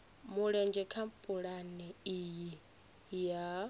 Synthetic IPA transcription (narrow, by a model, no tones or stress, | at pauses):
muɺɛnd͡ʒɛkʰampʼuɺanɛiji | ja